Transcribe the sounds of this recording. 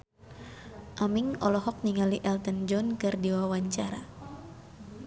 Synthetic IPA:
ʔamiŋɔlɔɦɔk̚niŋaliʔɛlt̪ənd͡ʒɔnkɨrdiwawaɲt͡ʃaɾa

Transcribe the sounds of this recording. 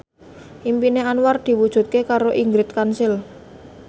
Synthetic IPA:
ʔimpineanward̪̥i̤wud̥ʒ̥ṳt̪̚kekaɾoʔiŋɡɾɪt̪̚kansɪl

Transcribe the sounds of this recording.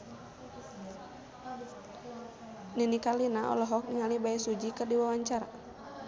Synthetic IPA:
ninikalinaʔɔ̰lɔɦɔk̚niŋalibaɛsud͡ʒikɨrdiwawaɲt͡ʃaɾa̰

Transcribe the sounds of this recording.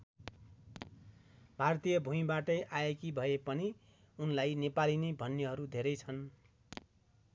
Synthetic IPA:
bʱart̪ijʌbʱumĩbaʈʌjʔaekibʱʌepʌni | unlajnepalinebʱʌnːeɦʌɾud̪ʱeɾʌjt͡sʰʌn

